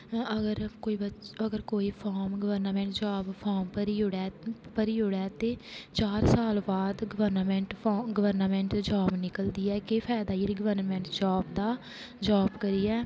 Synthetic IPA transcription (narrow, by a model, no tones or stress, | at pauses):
əɡəɾkoːiːbəəɡəɾkoːiːpʰɔːɾmɡəʋəɾnaːmɛ̃ːɳʈd͡ʒaːbpʰɔːɾmpəɾiːʊɽɛːpəɾiːɦʊɽɛːt̪eːt͡ʃaːɾsaːlbaːd̪ɡəʋəɾnaːmɛ̃ːɳʈːɡəʋəɾnaːmɛ̃ːɳʈd͡ʒaːbnɪkəld̪iːɛːkepʰɛːd̪aːiɾɡəʋəɾnmɛ̃ːɳʈd͡ʒaːbd̪aː | d͡ʒaːbkəɾiːɛː